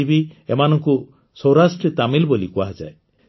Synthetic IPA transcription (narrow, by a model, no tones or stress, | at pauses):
ibiemanɔŋku | sɔwɾasʈɾet̪amilbolikuaɦad͡ʒa̰e